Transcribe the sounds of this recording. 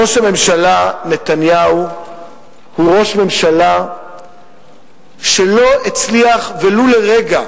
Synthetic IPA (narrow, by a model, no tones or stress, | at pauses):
o̞ʃhame̞mʃalane̞t̪anjau | huʁo̞ʃme̞mʃala | ʃelo̞et͡sliaχveluleʁeɡa